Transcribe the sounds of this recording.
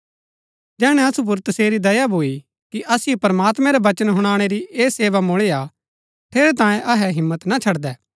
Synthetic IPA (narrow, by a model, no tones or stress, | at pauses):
d͡ʒɛːɽ̃ɛɐsup̬ʊɾt̪ɐseːɾid̪ɐjabʱoːi | kiʔɐsɪjopɐɾmaːt̪mɛ̃ɾɛʋɐt͡ʃənɦʊɽ̃aːɽ̃eɾiʔeːseːʋamʊɭea | t̪ʰeːɾɛt̪ãːjẽʔɐɦɛɦɪ̃mːət̪nat͡ʃʰɐɽd̪ɛː